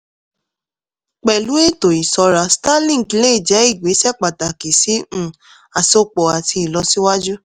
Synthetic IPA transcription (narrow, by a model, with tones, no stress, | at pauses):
k͡pɛ˨lu˨˦e˦˨to˨i˨sɔ˧ɾa˧˨stã˦lĩ˦˨ki˨˧le˦i˨d͡ʒɛ˨˦i˦˨ɡ͡be˨˦sɛ˦˨k͡pa˨ta˨ki˨sĩ˨˦˨ | a˨so˧k͡pɔ˨a˨tʰi˧i˨lɔ˧si˦wa˦d͡ʒu˦